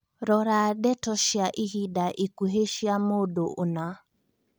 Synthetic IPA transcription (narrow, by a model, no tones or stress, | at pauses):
ɾɔɾaɗɛtɔʃjaʔihiɗaʔikuɦeʃiamoɗoʔona